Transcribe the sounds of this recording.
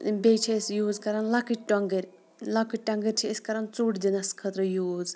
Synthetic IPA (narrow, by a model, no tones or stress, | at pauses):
bejt͡ʃʰesjuːzkɐɾɐnlɐkiʈʈoŋɡeɾʲ | lakiʈʈːɐŋɡəɾʲt͡ʃʰiːskɐɾɐnt͡suʈd̪inɐskʰɐt̪ɾɐjuːz